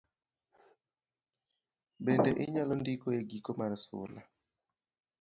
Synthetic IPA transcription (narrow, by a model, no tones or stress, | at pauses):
bendɛʔɪɲalɔndikoeɡikomaɾsʊ̰la̰